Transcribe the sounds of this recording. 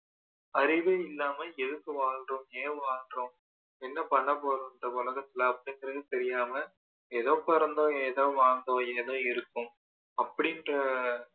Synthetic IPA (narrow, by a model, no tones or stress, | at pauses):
ɐɾɪʋɐɪlːaːmɐɛðɯkːɯʋaːldrõeːʋaːldrõ | ɛnːɐpɐɳːɐpoːɾɐnɐʊlɐɣɐt̪ːɪlɐɐpːɐɽɪŋɡɪɾɐðɯt̪ɛɾɪjaːmɐ | ɛðõːpɐɾɐnd̪õːeːðõːʋaːnd̪õːeːðõːɪɾɯkːɯ̃ | ɐpːɐɽɪnrɐ